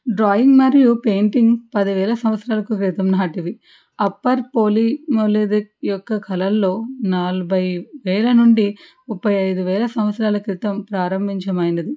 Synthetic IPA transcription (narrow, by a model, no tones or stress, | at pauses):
ɖɾaːjiŋɡmɐɾijupe̞ːɳʈiŋɡpɐd̪iʋɛːlɐsɐmʋɐt̪sɾaːlɐkukɾit̪ɐmnaːʈiʋi | ɐpːɐɾpo̞ːlimoːled̪ik̚jɔkːɐkʰɐlɐlːo̞ːnalɐbʱɐjʋɛːlɐnuɳɖimupːɐjɐjd̪uʋɛːlɐsɐmʋɐt̪sɾaːlɐkɾit̪ɐmpɾaːɾɐmbʱiɲt͡ʃɐmɐjnɐd̪i